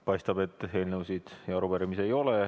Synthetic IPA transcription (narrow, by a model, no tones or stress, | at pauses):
pɑjst̪ɑb̥e̞t̪ːˑe̞ːlnewsid̪̥jɑɑɾuvæɾimise̞jo̞le